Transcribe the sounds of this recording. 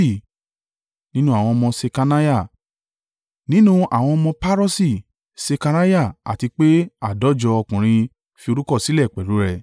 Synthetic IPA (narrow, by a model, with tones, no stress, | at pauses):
i˦˨ | nĩ˦nũ˦a˨w̃ɔ̃˧ɔ˧mɔ̃˧se˧ka˧na˦ja˦˨ | nĩ˦nũ˦a̰˨w̃ɔ̃˧ɔ˧mɔ̃˧pa˦ɾɔ˦si˦˨ | se˧ka˧ɾa˦ja˦˨a̰˨ti˧k͡pe˦a˦˨dɔ˨˦d͡ʒɔ˧ɔ˧kũ˨ɾ̃ĩ˧ | fi˧o˧ɾu˦kɔ˦˨si˦lɛ˦˨k͡pɛ˨ɾu˨˦ɾɛ˧